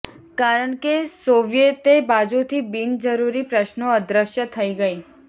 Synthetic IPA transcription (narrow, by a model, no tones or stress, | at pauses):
kaɾəɳkesoʋjet̪ebad͡ʒut̪ʰibind͡ʒəɾuɾipɾəʃnoəd̪ɾəʃjət̪ʰəiɡəi